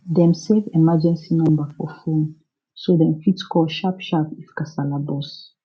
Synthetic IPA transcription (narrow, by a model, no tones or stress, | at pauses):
dɛ̃msɛvɛmad͡ʒɛ̃nsinɔ̃mbəfɔfõn | sodɛ̃mfitskʰɔlʃapʃapifkasalabɔs